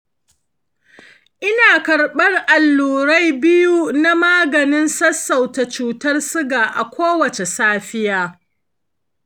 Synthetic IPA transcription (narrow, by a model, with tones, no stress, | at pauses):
ʔɪ˦naː˨kɐ˨rɓɐ˦rʔa˨lːuː˨ɾa˦jbɪ˦ju˦na˦maː˦ɡɐ˨nɪ˦nsɐ˦sːa˨wta˨t͡ʃuː˨tɐ˦rsʊ˦ɡaː˨ʔa˨kʷoː˦wɐ˨t͡ʃe˨saː˦ɸɪ˦jaː˦